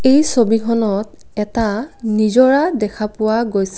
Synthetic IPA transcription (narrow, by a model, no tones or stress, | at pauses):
ejsobikʰɔnɔt̚ | ɛtanizɔɹadɛkʰapʊwaɡojs